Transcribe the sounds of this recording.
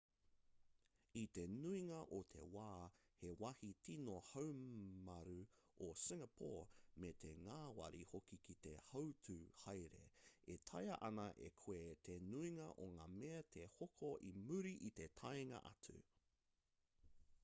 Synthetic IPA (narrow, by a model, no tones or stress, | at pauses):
it̪e̞nuiŋɐʔot̪ʰe̞̰waː | hewɐhitʰinohɐwmɐɾu | osɪŋɐpʰo̰ːmet̪ʰe̞ŋaːwɐ̰ɾihokikʰit̪e̞hɐwtʰuhɐjɾḛetʰɐjɐʔɐnɐʔḛkʰwet̪ʰenuiŋɐ̰ʔoŋaːmeɐt̪ʰe̞hokʰoʔimʉɾiʔit̪e̞tʰɐjŋɐ̰ʔɐ̰tʰʉ̰